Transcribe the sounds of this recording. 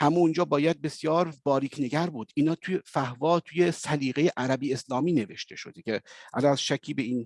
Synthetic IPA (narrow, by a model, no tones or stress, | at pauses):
hæmound͡ʒɒːbɒːjæd̪̚be̞sjɒːɾbɒːɾiːkʰne̞ɡæɾbuːd̪̥iːnɒːt̪ʰujefæhvɒːt̪ʰuːje̞sæliːɣejeʔæɾæbiːeslɒːmiːne̞ve̞ʃt̪ʰe̞ʃo̞̰d̪ecʰeʔæ̰lɒnæz̥ʃæcʰːiːbe̞iːn